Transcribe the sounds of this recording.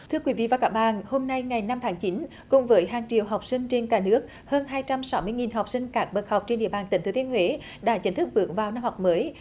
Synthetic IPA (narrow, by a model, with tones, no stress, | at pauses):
t̪ʰɨ˧əkwi˨˦vḭ˧˨vaː˨˩kaː˦˥k̚ɓa̰ː˧˨nho˧mna˧jŋa˨˩jna˧mt̪ʰaː˨˦ŋt͡ɕi˨˦n | kʊ˨˩ŋ͡mvəː˨˦jɦaː˨˩ŋt͡ɕḭ˧˨əwɦa˨˩wk͡p̚sï˧ŋ̟t͡ɕe˧nkaː˧˩nɨ˦˥ək̚ | həː˧nɦaː˧jt͡ɕa˧msa˨˦wmɨ˧əŋi˨˩nɦa˨˩wk͡p̚sï˧ŋ̟kaː˦˥k̚ɓə˨˩t̚ha˨˩wk͡p̚t͡ɕe˧nɗḭ˧˨əɓaː˨˩nt̪ï˨˩ŋ̟t̪ɨ˨˧˦t̪i˧ənhwe˨˦ | ɗa̰ː˧˥t͡ɕï˨˦ŋt̪ɨ˦˥k̚vɨ˨˦əŋvaː˨˩wna˧mha˨˩k͡p̚məː˨˦j